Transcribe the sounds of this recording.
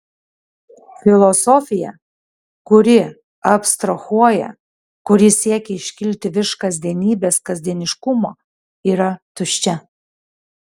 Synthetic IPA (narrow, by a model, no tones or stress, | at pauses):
fʲɪlˠɔsɔfʲɪjɛ̰ | kʊɾʲɪ | ɐpʲst̪ɾɐxuɔjɛ̰ | kʊɾʲɪsʲiɛkʲɛɪʃʲkʲɪlʲt̪ʲɪʋʲɪʃkɐzʲd̪ʲiɛnʲiːbʲeːskɐzʲd̪ʲiɛnʲɪʃkʊmoː | iːɾɐt̪ʊʃʲt͡ʃʲɛ